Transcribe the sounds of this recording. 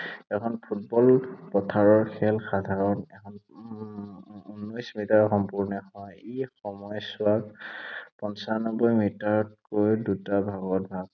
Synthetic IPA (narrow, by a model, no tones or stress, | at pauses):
ɛkʰɔnpʰut̚bɔlpɔtʰaɹɔɹxʰɛlxadʱaɹɔnɛkʰɔn | unːɔjsmitaɹxɔmpuɹnɛhɔjexɔmɔjsʊa | pɔnsanɔbɔjmitaɹɔtkojdutabʱaɡɔt̚bʱaɡ̚